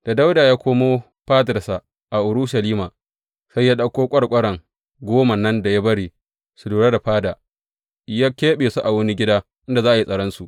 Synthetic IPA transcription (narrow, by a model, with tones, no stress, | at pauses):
d̥a˨da˦wdaː˨jaː˦kʷoː˦moː˦ | ɸaː˦tɪ˨ɾsa˨ | ʔa˨ʔʊ˨ɽʊ˦ʃa˨liː˦ma˨ | sa˦jːa˦ɗɐ˦kʷoː˦kʷʼɐ˦ɽkʷʼɐ˦ɽɐ˨ŋ | ɡʷoː˦ma˨nɐ˦nda˨ja˦bɐ˦ɽiː˨ | su˨duː˨ɽa˦da˨ɸaː˦daː˨ | ja˦kʲeː˦ɓeː˨su˦ʔa˨wɐ˦ni˦ɡʲɪ˦daː˦ | ʔɪ˦nda˨zaː˦ʔa˨ji˦sʼɐ˨ɽɔ˦nsu˨ʔ